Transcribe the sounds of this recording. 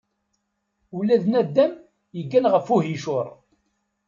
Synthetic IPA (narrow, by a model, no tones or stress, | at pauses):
ulːæðnæd̪ːæm | jəɡːænʁəfuɦiʃʊɾˤ